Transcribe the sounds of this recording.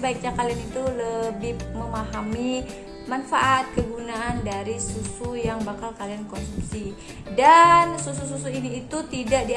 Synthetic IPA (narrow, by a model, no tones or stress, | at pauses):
baik̚ɲakalianit̪uləbɪhməmaɦami | manfaʔat̪̚kəɡunaʔandaɾisusujaŋbakalkaliankɔnsumsi | dansusus̬us̬uiniːt̪ut̪idaʔdi